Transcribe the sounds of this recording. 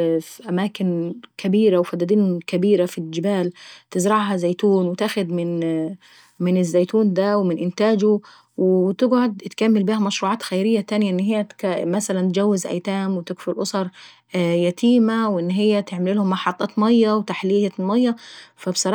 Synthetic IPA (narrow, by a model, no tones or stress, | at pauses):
fiʔæmaːkɪnkʰæbiːɾawfæd̪æd̪iːnkæbiːɾafild͡ʒɪbaːlt̪ɪzɾɑʕɦɑzejt̪uːnwɪt̪aːxʊd̪mɪn | mɪnɪzːejt̪uːnd̪æwmɪnʔɪnt̪aːd͡ʒʊ | wt̪ɪɡʕod̪t̪kæmːɪlbiːhæmɑʃɾuːʕɑːt̪xæjɾɪjːæt̪æːnjaʔɪnːɦɪjːæmæsælænt̪d͡ʒæwːɪzʔæ̰jt̪aːmwɪt̪ɪɡfʊlʔosˤɑɾˤ | jæt̪iːmawʔɪnːɦɪjːæt̪eʕmɪlilhʊmːɑħɑt̪ˤːɑːt̪mɑjːɑwt̪aħliːjamɑjːɑfæbsˤɑɾˤɑ